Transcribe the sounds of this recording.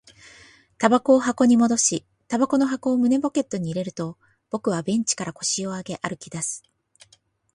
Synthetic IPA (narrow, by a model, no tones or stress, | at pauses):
t̪abako̞ːɦako̞ɲ̟imo̞d̪o̞ɕi | t̪abako̞no̞ɦako̞ːmɯ̟ne̞bo̞ke̞t̪ːo̞ɲ̟iːɾe̞ɾɯ̟t̪o̞ | b̥o̞kɯ̟βabẽ̞ɲ̟t͡ɕi̥kaɾako̞ɕio̞aɡe̞ʔaɾɯ̟kʲid̪asɨ̥